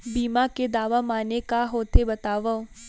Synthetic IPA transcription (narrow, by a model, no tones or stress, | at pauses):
biːmaked̪aːʋamaːnekaɦoːt̪ebɐt̪aːʋa